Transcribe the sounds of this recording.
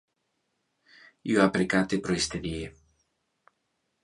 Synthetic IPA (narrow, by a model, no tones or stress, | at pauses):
joapɾekat̪epɾoist̪eðje